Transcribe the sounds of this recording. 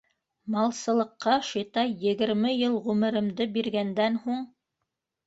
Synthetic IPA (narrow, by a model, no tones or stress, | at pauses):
mɑlˠsɤ̆lˠɤ̆qːɑʃĭt̪ɑjɘ̆ɡɘ̆ɾmɘjɤlˠʁʉmɘ̆ɾɘ̆md̪ɘbiɾɡænd̪ænhuɴ